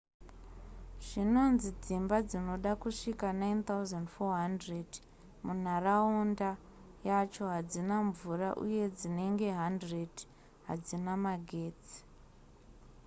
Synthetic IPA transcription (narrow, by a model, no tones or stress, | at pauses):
ʐ̥ino̞nzid͡zimbad͡zino̞ɗakuʂikanajnt̪auzandfoɦandred | mun̤araunda | jat͡ʃo̞ɦad͡zinaɱvura̰ʔṵje̞d͡zine̞ŋɡe̞ɦandred | ɦa̰d͡zinamaɡʱe̞ːt͡si̥